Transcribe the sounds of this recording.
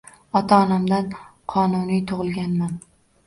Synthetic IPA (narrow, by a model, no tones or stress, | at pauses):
ɒt̪ʰaɒnamd̪anqʰɒnʊnijt̪ʰʊʁɨlˠɡʲanman